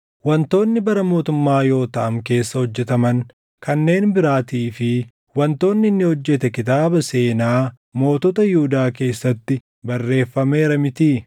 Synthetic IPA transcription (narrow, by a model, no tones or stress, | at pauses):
wɐnt̪o̞ːnːɪbɐɾɐmo̞ːt̪ʊmːaːjo̞ːt̪ɐʔɐmke̞ːsːɐhɔd͡ʒːɛt̪ɐmɐŋ | kɐnːe̞ːnbɪɾaːt̪iːfɪ | wɐnt̪o̞ːnːɪnːɪhɔd͡ʒːɛt̪ɛkɪt̪aːbɐse̞ːnaː | mo̞ːt̪ɔt̪ɐjʊhʊd̪aːke̞ːsːɐt̪ːɪ | bɐrːe̞ːfːɐme̞ːɾɐmɪt̪iː